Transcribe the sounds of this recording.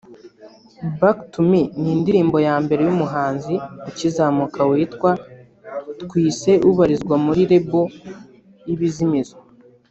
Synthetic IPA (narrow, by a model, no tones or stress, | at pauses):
baktuminiːndiɾiːmbo̞jaːmbe̞ɾe̞jumuɦaːnziacizaːmukawiːtkwa | tkwiːse̞ʔuβaɾizɡwamuɾiɾe̞bo | jiβizimizo